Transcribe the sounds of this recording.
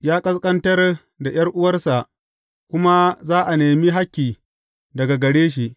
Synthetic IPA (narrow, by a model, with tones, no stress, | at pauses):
jaː˦kʼɐ˦skʼɐ˦ntɐ˦r | da˨j̰ɐ˦rʔʊ˦wɐ˦rsa˨ʔ | kʷʊ˦ma˦zaː˦ʔa˨neː˨mi˦ɦa˦kʲːiː˨ | dɐ˨ɡa˨ɡɐ˨ɽeː˦ʃ̬i˨ʔ